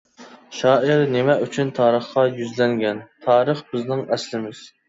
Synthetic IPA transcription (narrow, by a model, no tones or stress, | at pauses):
ʃɑːʔɪɾnemɛʔyt͡ʃʰynt̪ʰɑːɾəχqɑjyzlɛŋɡʲɛnt̪ʰɑːɾəχb̥ɪznɪŋɛslɪmɪz̥